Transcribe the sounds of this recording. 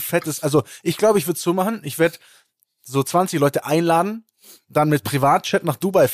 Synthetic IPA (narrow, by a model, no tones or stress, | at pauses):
fɛtəsʔalzoʔɪçɡ̥laʊbəɪç̬v̥ʏɐtsz̥uːmaχn̩ʔɪçv̥eːɐd | zoːt͡sv̥ant͡sɪçlɔʏtəʔaɪnlaːdn̩ | d̥anmɪt̚pʁ̥ivaːt̚t͡ʃɛtnaːχd̥ubaɪf